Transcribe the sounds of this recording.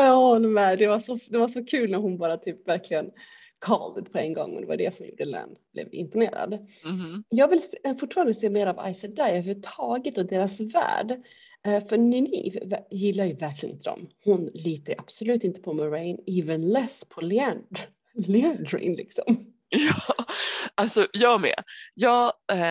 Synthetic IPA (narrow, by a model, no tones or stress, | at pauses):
jɑhɔlːəɾmɛd̪ɛvaʂɔd̪ɛvaʂɔkʰʉ̟ːlnæɾhʊnbɑːɾat̪ʰyːpvæɾkʰlɪɡən | kʰɑ̰ːld̪əd̪pʰɔɛŋɡɔ̰ŋːɔ̰d̪ɛva̰jɖ̪ɛ̰sɔmjṵːɖəlɛ̰nb̥lɛ̰vɪ̰mpʊnḛːɾa̰d̪ | jɑːɡvɪlsfʊʈːfɑːɾand̪əseːmeːɾava̰jsəd̪ajœhʉvət̪ʰɑːɡət̪ɔd̪eːɾasvæ̰ːɖ | fœɾnɪnḭvjɪlːaɾjɵvæɾkʰlɪɡə̰nɪnt̪əd̪ɔ̰mhʊnliːt̪əʔab̥sɔlʉ̟ːt̪ɪnt̪ə̥pʰɔməɾɛɪniːvənlɛspʰɔlɛn | lɛɛndɾɛ̰ɪnlɪksɔ̰m | jɑː | alsɔjɑːmɛ̰jɑː